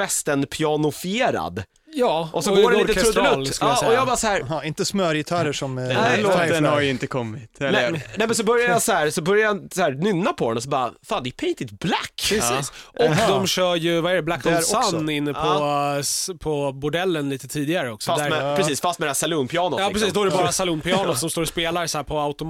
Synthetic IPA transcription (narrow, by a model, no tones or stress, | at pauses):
ɛst̪ənpʰjɑnʊfɪeːɾa̰d̪ | jɑːʔɔsɔɡoːɾɛt̪əɾɵd̪lʉlsklɔjɑbɑːɾasɔhæːɾɪnt̪əsmœːɾjɪt̪ʰɑɾəʂɔmloːd̪ɛnhaɾjɪnt̪əkʰɔmːɪt̪ɛɛnɛːmɛns̬ɔbœɾjajɑsɔhæːɾsɔbœɾjajashæːɾnʏnːapʰɔd̪ɛ̰nɔs̬ɔbɑːɾa̰faːnd̪ɛʉpʰɛjt̪ɪt̪blakːɾɛssʔɔd̪ɔmɕœːɾjɵvaɛɾɛblak̪ːɔsɔanːɪnːəɔ | pʰɔbʊɖɛlːənliːt̪ət̪ʰiːd̪ɪɡaɾəɔksɔfad̪æɛɾɛsiːsfast̪mɛd̪ɛhæsaluːnpʰɪɑːnʊjɑːpɾɛsiːsd̪ɔæɾɖɛbɑːɾasaluːnpɪɑːnʊssɔmst̪oːɾɔspeːlaɾsæːɾpʰɔaʊt̪ʊm